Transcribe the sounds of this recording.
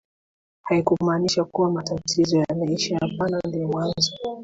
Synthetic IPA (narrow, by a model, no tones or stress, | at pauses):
haikumaːniʃakuwamatatʰizɔjanaiʃahapanandiɛmwanzɔ